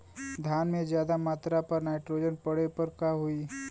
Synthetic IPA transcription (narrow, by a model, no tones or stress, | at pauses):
d̪ʱjaːnmẽzjaːd̪amaːt̪ɾapɐɾnaːɪʈɾoːd͡ʒənpɐɽepɐɾkaɦʊiː